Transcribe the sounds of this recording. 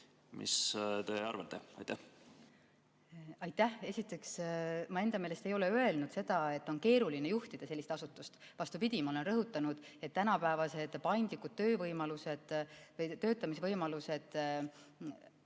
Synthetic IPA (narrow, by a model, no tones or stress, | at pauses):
mʔḭst̪e̞ɑ̰ɾvɑt̪ˑːḛɑ̰jt̪æh | ɑjt̪ːæhe̞sit̪ːˑe̞ksmɑe̞nd̪ɑmeːle̞st̪e̞jo̞le̞øe̞lnud̪̥se̞d̪̥ɑet̪ːo̞nke̞ːɾuline̞juht̪id̪̥ɑse̞lːist̪ɑsut̪ːˑust̪vɑst̪upid̪̥ʲimɑo̞le̞nrɤɦut̪ːˑɑnud̪̥e̞t̪ːænɑpæevɑse̞d̪̥pɑjnd̪̥likːˑud̥̪̚t̪ø̞ːvɤjmɑluse̞d̪̥vɤjt̪ø̞ːt̪ːˑɑmis̬evɤjmɑluse̞d̪̥